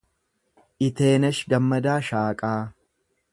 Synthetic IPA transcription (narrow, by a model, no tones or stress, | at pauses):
ʔɪt̪e̞ːnɐʃɡɐmːɐd̪aːʃaːkʼaː